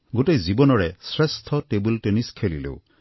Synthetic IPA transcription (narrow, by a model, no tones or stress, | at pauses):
ɡoʈejzibɔnɔɾesɾest̪ʰɔʈebulʈeniskʰelilḛw